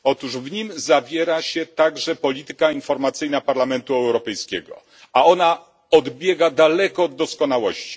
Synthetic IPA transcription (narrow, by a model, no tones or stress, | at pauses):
ɔt̪uʐvɲimzavʲjɛɾaɕɛt̪aɡʐɛpɔlʲit̪ɘ̥kainfɔɾmat̪sɘjnapaɾlamɛnt̪uɛwɾɔpɛjskʲɛɡɔ̰ | aɔna | ɔd̪bʲjɛɡad̪alɛkɔd̪ːɔskɔnawɔɕt͡ɕi̥